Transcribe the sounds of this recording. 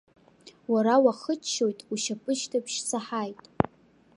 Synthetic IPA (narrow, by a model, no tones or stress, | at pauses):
waɾawaχət͡ʃʰːo̞jtʼuʃapʼɨʃtʰapʰʃt͡sʰaħajtʼ